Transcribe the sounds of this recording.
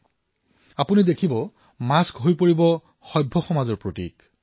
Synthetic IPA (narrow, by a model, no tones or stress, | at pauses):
apunidekʰibɔ | maskɦojpoɹibɔ | xɔjbʱːɔxɔmazɔɹpɹotḭk